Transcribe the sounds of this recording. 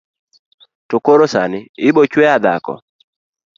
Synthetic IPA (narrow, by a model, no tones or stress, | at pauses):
tokoɾosanɪɪbɔt͡ʃwɛad̪a̰kɔ̰